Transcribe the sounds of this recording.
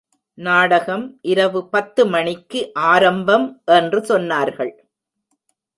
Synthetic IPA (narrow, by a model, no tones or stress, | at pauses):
naːɽɐɣɐmʔɪɾɐʋɯpɐt̪ːɯmɐɳɪkːɯʔaːɾɐmbɐmʔɛndrɯsɔnːaːɾɣɐɭ